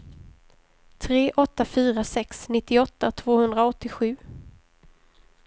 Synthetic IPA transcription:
t̪ʰɾeːʔɔt̪ːafyːɾasɛksnɪt̪ːɪɔt̪ːat̪ʰv̥oːhɵnd̪ɾaɔt̪ːɪɧʉ̟ː

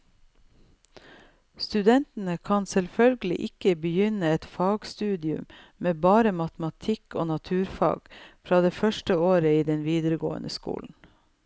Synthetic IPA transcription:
st̪ʉd̪ɛnt̪n̩əkʰɑnsɛlfœlɡəlɪ̰ʔɪkəbəjʏnəɛt̪fɑːɡst̪ʉːd̪ɪʉ̰m | meːbɑːɾəmɑt̪əmɑt̪ʰɪko̰ːnɑt̪ʰʉːɾfɑ̰ːɡ̥fɾɑːd̪eːfœʃʈəoːɾəiːd̪ɛnʋiːd̪əɾəɡo̰ːə̰nʔəskṵːln̩

